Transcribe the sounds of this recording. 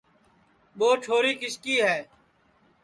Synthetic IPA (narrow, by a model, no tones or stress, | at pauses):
boːʈʰoːɾiːkɪskiːɦɛː